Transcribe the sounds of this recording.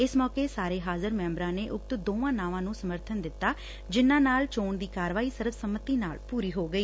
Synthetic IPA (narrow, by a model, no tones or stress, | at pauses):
ɪsmɔːkeːsaːɾeːɦaːzəɾmɛ̃ːmbɾãːneːʔʊk̚t̪d̪oːʋãːnãːʋãːnũːsəməɾt̪ʰənd̪ɪt̪ːaː | d͡ʒɪnːãːnaːlt͡ʃoːɳd̪iːkaːɾʋaːiːsəɾʋsəmət̪iːna̰ːlpuːɾiːɦoːɡəiː